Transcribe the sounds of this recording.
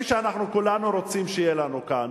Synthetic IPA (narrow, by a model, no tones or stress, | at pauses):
ʃeanaχnukulanuɾo̞t͡simʃejelanukan